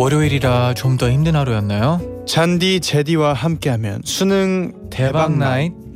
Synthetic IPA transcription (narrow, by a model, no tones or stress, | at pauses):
ʌɾjoiɾiɾat͡ɕomdʌçimdɯnɦaɾojʌnːajot͡ɕandit͡ɕe̞diwahamk͈e̞ɦamjʌ̰nsʰunɯŋtebaŋnait̚